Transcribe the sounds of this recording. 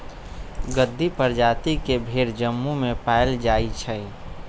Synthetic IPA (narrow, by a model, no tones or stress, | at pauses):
ɡəd̪ʱːipəɾd͡ʒaːt̪ikebʱeɾd͡ʒəmːumẽpaːɪld͡ʒaːit͡ʃʰɛ